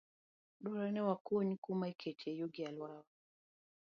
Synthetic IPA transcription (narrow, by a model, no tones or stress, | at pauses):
ɗɔɾanɛwakuɲikumaikɛt͡ʃɛjuɡialwawa